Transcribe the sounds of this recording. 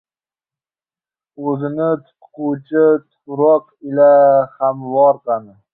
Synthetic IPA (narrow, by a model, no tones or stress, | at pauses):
ɵzɪnɪt̪ʰʊ̥t̪qʰʊt͡ʃʰɪt̪ʰʊɾɒq | ɪlahamvɒɾqɑnɪ